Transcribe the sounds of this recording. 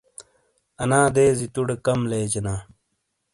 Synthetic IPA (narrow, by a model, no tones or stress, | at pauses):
ɐnaːd̪eːzit̪uɽekɐmleːd͡ʑenaː